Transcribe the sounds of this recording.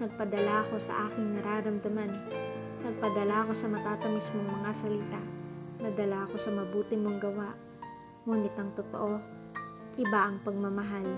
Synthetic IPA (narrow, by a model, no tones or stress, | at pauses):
nɐɡ̚pɐd̪ɐlaɐko̞sɐ̰ʔaːkɪŋnɐɾaːɾɐmd̪ɐman | nɐɡ̚pɐd̪ɐlaʔɐko̞sɐmɐt̪aːt̪ɐmɐsmoŋmɐŋasɐliːt̪anɐd̪ɐlaʔɐko̞sɐmɐbuːt̪ɪmoŋɡɐwaʔ | ŋuːnɪt̪ɐŋt̪ot̪o̰ʔo̞ | ʔɪbaʔɐŋpɐɡ̚mɐmɐɦal